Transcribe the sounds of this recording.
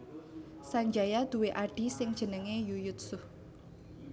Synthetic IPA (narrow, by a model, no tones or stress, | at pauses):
saɲd͡ʒajad̪̥ṳweʔaɖ̥i̤sɪŋd̥ʒ̥ə̤nəŋejujʊt̪̚sʊh